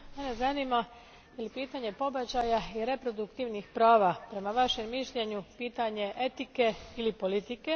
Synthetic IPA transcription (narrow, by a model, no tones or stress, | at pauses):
menezanima | jelipiːt̪aɲe̞po̞bat͡ɕajaiɾe̞pɾo̞d̪ukt̪iʋnixpɾaːʋapɾe̞maʋaʃe̞mːiʃʎe̞ɲupiːt̪aɲe̞ʔe̞t̪ike̞ilipo̞lit̪ike̞